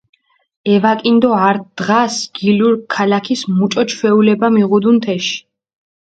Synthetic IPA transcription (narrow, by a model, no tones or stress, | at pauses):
ɛvakʼind̪ɔaɾt̪̚d̪̥ʁasɡ̥iluɾkʰːalakʰismut͡ʃʼɔt͡ʃʰwɛulɛbamiʁud̪unt̪ʰɛʃi̥